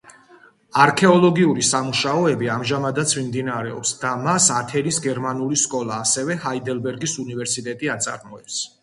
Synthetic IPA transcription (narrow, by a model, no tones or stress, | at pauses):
aɾkʰɛɔlˠɔɡiuɾisamuʃaɔɛbiamʒamad̪at̪sʰmimd̪inaɾɛɔ̰psd̪amasat̪ʰɛnisɡɛɾmanuliskʼɔlˠaːsɛvɛhaid̪ɛlbɛɾɡisunivɛɾsit̪ʼɛt̪ʼiat̪sʼa̰ɾmɔɛps